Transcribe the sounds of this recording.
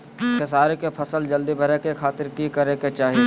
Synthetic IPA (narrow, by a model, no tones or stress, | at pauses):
kesaːɾekepʰɐsəld͡ʒɐld̪ibʱɐɾekekʰaːt̪ɪɾkikɐɾeket͡ʃaːɦie